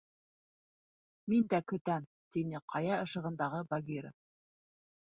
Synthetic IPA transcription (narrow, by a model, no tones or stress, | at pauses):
mind̪ækɵ̆t̪æm | t̪inɘqʰɑjɑɤ̆ʃɤ̆ʁɤ̆nd̪ɑʁɤbɑɡʲiɾə̰